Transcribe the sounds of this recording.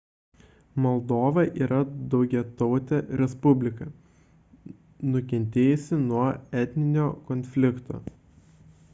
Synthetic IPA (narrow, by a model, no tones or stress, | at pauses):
mɔlˠd̪oːʋɐʔiːɾɐd̪ɒʊɡʲɛt̪ɔʊt̪ʲɛɾʲɛspʊbʲlʲɪkɐ | nʊkʲɛnʲt̪ʲeːjʊsʲɪnuɔɛt̪ʲnʲɪnʲoːkɔnʲfʲlʲɪkt̪o̰ː